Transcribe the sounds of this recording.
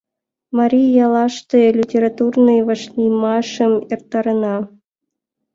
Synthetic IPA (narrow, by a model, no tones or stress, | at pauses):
maɾʲijɑlˠɑʂt̪ɨlʲitʲeɾat̪urnɨjvaʂlʲimɑʂɤ̆mert̪ːɑɾɤ̆nɑ